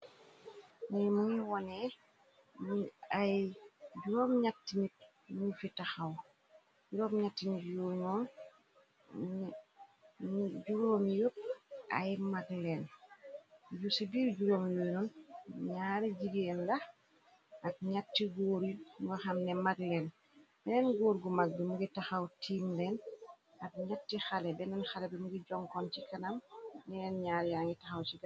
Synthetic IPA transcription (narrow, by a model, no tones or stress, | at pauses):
nɛjmuɲiwɔnɛ | majɟuɾoːmɲatːinit̚ | nufitaxaw | ɟuɾoːmɲatːinitjoːjnɔːn | ɟuɾoːmjopːʔa̰jmaɡlɛn | jusibiːɾɟuɾoːmjojnunɲaːɾiɟiɡenla | ak̚ɲatːiɡoːɾiɡaxamnɛmadlɛn | bɛnɛnɡoːɾɡumaɡ̚bimuɡitaxawtʰiːmlɛn | ak̚ɲatːixalɛbɛnɛnxalɛbɛmuɡiɟɔŋkɔnt͡ʃikanamnɛɛnɲaːɾjaŋɡitaxawt͡ʃiɡa